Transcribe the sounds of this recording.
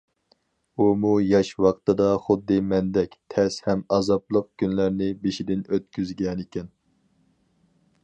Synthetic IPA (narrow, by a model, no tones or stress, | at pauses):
umujɑʃwɑqt̪ɨd̪ɑχʊd̪ːɨmɛnd̪ɛkʲt̪ʰɛshɛmɑzɑplˠəq̚kʲynlæɾnɪbeʃid̪ɪnøt̪̚kʲyzɡʲɛnɪkʲɛn